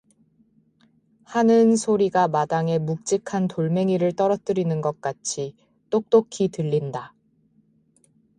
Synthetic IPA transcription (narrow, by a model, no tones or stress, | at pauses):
hanɯnsʰoɾiɡamadaŋe̞muk̚t͡ɕ͈ikʰantoɭme̞ŋiɾɯɭt͈ʌɾʌt̚t͈ɯɾinɯnɡʌk̚k͈at͡ɕʰi | t͈ok̚t͈okʰitɯʎːinda